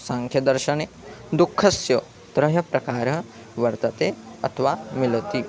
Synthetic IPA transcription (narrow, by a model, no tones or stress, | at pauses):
saŋkʰjɐd̪ɐɾʃɐneːd̪ukʰːɐsjɐ | t̪ɾɐɦɐpɾɐkaːɾɐ | ʋɐɾt̪ɐt̪eːɐ̰t̪ʰɐʋaːmilɐt̪i